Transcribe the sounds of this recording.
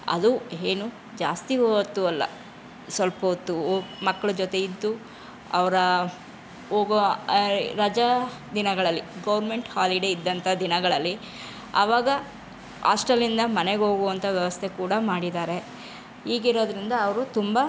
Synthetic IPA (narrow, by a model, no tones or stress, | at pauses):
ɐ̰d̪ueːnu | d͡ʒaːst̪iɦot̪ːuɐlːɐ̰ | sʋɐlpoːt̪ːumɐkːɐɭud͡ʒot̪e̞id̪ːu | ɐ̰ʋɐɾɐ | oːɡ | ɾɐd͡ʒɐd̪inɐɡɐɭɐlːiɡɐʋɐɾme̞ɳʈhaːliɖe̞id̪ːɐnt̪ʰɐd̪inɐɡɐɭɐlːi | ɐ̰ʋaːɡɐ | a̰ːsʈɐlind̪ɐmɐne̞ɡeɦo̞ːɡuʋɐnt̪ʰɐʋjɛʋɐst̪ʰe̞kuːɽɐmaːɽid̪aːɾe̞ | iːɡiɾo̞ːd̪ɾind̪ɐːʋɐɾut̪umbɐ